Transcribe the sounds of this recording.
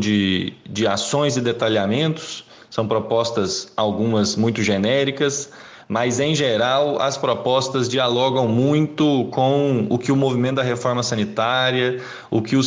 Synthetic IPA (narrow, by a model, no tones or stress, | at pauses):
d͡ʒɪd͡ʒɪasõj̃zɪd̪et̪aʎamẽnt̪ʊ̥s | sɐ̃w̃pɾɔpɔst̪ɐsawɡũmɐzmũj̃t̪ʊʒenɛɾikɐs | mɐzẽj̃ʒeɾawɐ̰spɾɔpɔst̪ɐzd͡ʒialɔɡɐ̃w̃mũj̃t̪ʊkõʊkɪʊmovimẽt̪ʊd̪ɐɦefɔɾmɐsɐ̃nit̪aɾjɐ | ʊkɪʊ